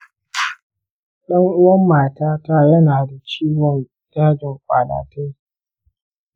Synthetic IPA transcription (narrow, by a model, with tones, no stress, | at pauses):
ɗɐ˦ŋʔʊ˦wɐ˦mːaː˨taː˦taː˦jɐ˦naː˨da˨t͡ʃiː˦wɔ˨ŋ | d͡ʒaː˦d͡ʒɪ˨ŋkʷʼa̰ː˨la̰ː˨ta˦j